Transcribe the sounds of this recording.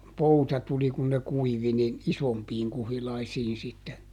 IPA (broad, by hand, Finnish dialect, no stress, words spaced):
poutɑ tuli kun ne kuiʋi nin isompiːŋ kuhilɑisiːn sitːe